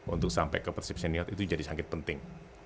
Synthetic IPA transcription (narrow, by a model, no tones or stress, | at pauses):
ṵnt̪ʊk̚sampɛ̰kəpərsip̚seniɔt̪it̪ud͡ʒadisaŋkɪt̪̚pənt̪ɪŋ